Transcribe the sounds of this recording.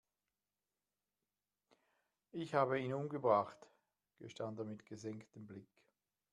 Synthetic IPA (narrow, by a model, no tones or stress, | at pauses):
ɪçhaːbəiːnʊmɡəbʁaχt | ɡ̥əʃtantəɐmɪtɡ̥əzɛŋktəmblɪk